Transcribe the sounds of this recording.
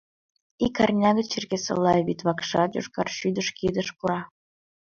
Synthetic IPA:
ikɑrnʲɑɣət͡ɕerɣesə̰lːɑβit̪βɑkʃɑ̰jo̰ʃkɑ̰rʃyd̪əʃkid̪əʃkuɾɑ

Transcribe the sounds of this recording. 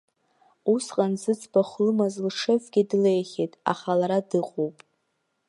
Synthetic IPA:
usqʼanzɨt͡sʰʼbaχʷlɨmazlʈ͡ʂʰɨfʷɡʲidle̞jχʲetʼa̰χalaɾadɨqʼowpʼ

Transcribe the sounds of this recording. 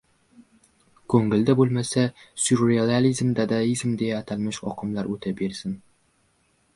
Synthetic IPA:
kʰɵŋɪld̪abolˠmasasuɾealalizmd̪ad̪aizmd̪ejːt̪ʰalmɪʃɒ̰qʰɨmlaɾʔɵt̪ʰabeɾsɪn

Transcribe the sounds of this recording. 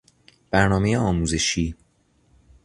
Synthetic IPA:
b̥æɾnɒːme̞jeɒːmuːze̞ʃiː

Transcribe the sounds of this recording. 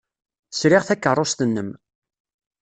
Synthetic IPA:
sɾɪʁθækːərˤːost̪ənːəm

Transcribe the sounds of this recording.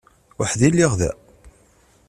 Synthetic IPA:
waħðilːiʁðæ̰

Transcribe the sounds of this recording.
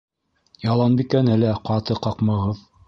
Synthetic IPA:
jɑlˠɑnbikænælæqɑt̪ɤqɑqmɤ̆ʁɤð

